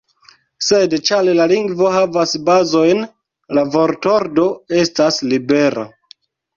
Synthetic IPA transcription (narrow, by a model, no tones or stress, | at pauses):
se̞dt͡ʃalelaliŋɡvo̞ɦavasbazo̞jn | lavo̞ɾto̞ɾdo̞e̞staslibe̞ɾa̰